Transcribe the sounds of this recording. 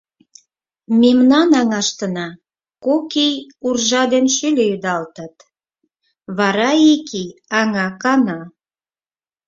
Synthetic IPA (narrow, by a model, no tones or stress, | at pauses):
mimnɑnɑŋɑʃt̪ənɑ | kokejurʒɑd̪enʃylʲejyd̪ɑlt̪ət̪ | βɑɾɑikiɑŋɑkɑnɑ